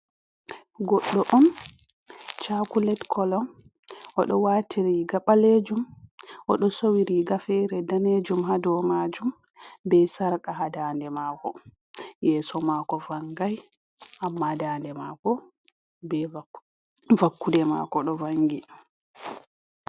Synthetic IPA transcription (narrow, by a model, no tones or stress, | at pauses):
ɡɔɗːɔʔɔn | t͡ʃakulɛtkʰɔlɔn | ʔɔɗɔwaːtʰiɾiɡaɓaled͡ʒumʔɔɗɔsowiɾiɡafɛɾɛdaned͡ʒumɦadɔmad͡ʒum | bɛsaɾkaɦadaːndɛmaːkɔ̰ | jɛːsɔmakɔvaŋɡaj | ʔamːadandɛmakɔ | bɛ | vakːudɛma̰kɔɗɔvaŋɡi